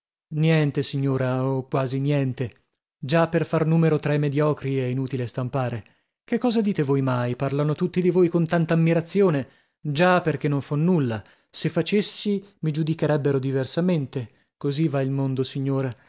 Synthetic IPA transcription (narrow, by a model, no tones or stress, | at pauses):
njɛnt̪esiɲːoːɾaokwaːzinjɛnt̪e | d͡ʒapːerfarnuːmeɾot̪ɾaimed̪jɔːkɾiɛinuːt̪ilest̪ampaːɾe | k̟ekːɔːzad̪iːt̪evojmajparlanot̪ut̪ːid̪ivojkont̪ant̪aːmːiɾat̪sːjoːne | d͡ʒapːerk̟enːoɱfɔnːulːa | sefːat͡ʃesːimid͡ʒud̪ikeɾɛbːeɾod̪iversament̪e | kozivailmond̪osiɲːoːɾa